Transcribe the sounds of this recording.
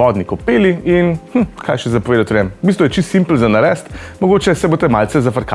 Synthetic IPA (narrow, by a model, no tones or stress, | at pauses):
ɔd̪nikɔpeːliinhm̩kʰajʃɛzapɔʋeːd̪at̪ɾɛmbist̪ʋɔjɛt͡ʃist̪simpl̩nzanaɾɛst̪mɔɡoːt͡ʃɛsɛbot̪ɛmalt̪sɛzafɐɾka